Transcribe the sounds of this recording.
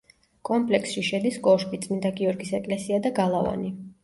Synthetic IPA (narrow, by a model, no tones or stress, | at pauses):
kʼɔmpʼlɛksʃiʃɛd̪iskʼɔʃpʼit̪sʼmind̪aɡiɔɾɡisɛkʼlɛsiad̪aɡalˠava̰ni